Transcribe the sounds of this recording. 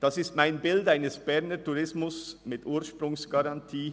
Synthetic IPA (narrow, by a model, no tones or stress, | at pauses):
d̥ɑsɪstmaɪnbɪldaɪnəsb̥ɛɐnətuʁɪsmʊsmɪtʔuːʃpɾʊŋsɡ̥ɑʁɑntʰiː